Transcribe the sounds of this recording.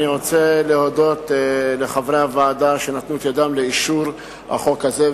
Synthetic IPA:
niʁo̞t͡seleo̞do̞tleχavʁehavaːdaʃenat̪nuet̪jad̪amle̞iʃuʁ | ha̰χo̞kaze

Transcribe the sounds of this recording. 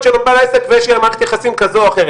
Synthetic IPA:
t͡ʃelobalesekveʃeamaʁt̪jaχasimkazoaχeʁ

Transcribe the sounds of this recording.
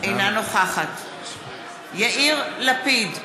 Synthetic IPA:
ʔejnanoχaχat | jaʔiʁlapid

